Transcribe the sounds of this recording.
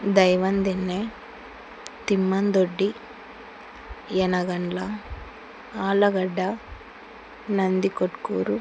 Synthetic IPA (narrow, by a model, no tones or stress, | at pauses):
d̪ɐjʋɐnd̪inːe | t̪imːɐnd̪oɖːi | jɛnɐɡɐɳlɐ | aːlɐɡɐɖːɐ | nɐnd̪ikoʈkuːɾu